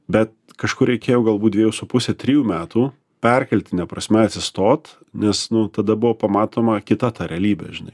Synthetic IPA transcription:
bʲɛt̪̚ | kɐʃkʊrɾʲɛɪkʲeːjɛʊɡɐlˠbuːd̪ʲʋʲiɛjuːsʊpʊsʲɛt̪ʲɾʲɪjuːmʲæːt̪uː | pʲɛrʲkʲɛlʲt̪ʲɪnʲɛpɾɐsʲmʲɛɐt̪ʲsʲɪst̪oːt̪ | nʲɛsnʊt̪ɐd̪ɐbʊʋoːpɐmɑːt̪oːmɐkʲɪt̪ɐt̪ɑːɾʲɛɐlʲiːbʲɛ̰ʒʲɪnɐ̰ɪ

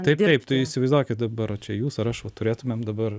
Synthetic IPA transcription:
t̪ɐɪp̪ɐɪpt̪ɐɪɪʃsʲɪʋɐɪzd̪ɑːkʲɪt̪d̪ɐbɐɾɐt͡ʃʲɛjuːsɐɾɐʃʋɐt̪ʊɾʲeːt̪ʊmʲeːmd̪ɐbɐr

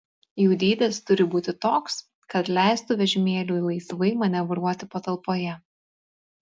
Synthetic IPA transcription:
juːd̪ʲiːd̪ʲɛst̪ʊɾʲɪbuːt̪ʲɪt̪oːks | kɐt̪lʲæˑɪst̪uːʋʲɛʒʲɪmʲeːlʲuːilˠɐɪsʋɐɪmɐnʲɛʋʊɾuɔt̪ʲɪpɐt̪ɐlˠpoːjɛ

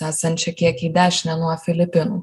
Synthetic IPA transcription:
æːsɐnʲt͡ʃʲɛkʲiɛkiːd̪ʲæːʃʲnʲɛnuɔfʲɪlʲɪpʲɪnuː

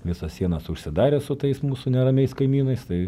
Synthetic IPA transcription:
ʋʲɪsɐssʲiɛnɐsʊʃʲsʲɪd̪ɑːɾʲesʊt̪ɐɪsmuːsunʲɛɾɐmʲɛɪskɐɪmʲiːnɐɪst̪ɐɪ

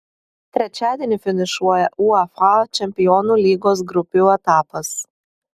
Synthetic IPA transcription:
t̪ʲɾʲɛt͡ʃʲæːd̪ʲiɛnʲɪfʲɪnʲɪʃuɔjɛʔuːɑfɑt͡ʃʲɛmʲpʲɪjɔːnuːlʲiːɡoːs̬ɡɾʊpʲuːɛt̪ɑːpɐs

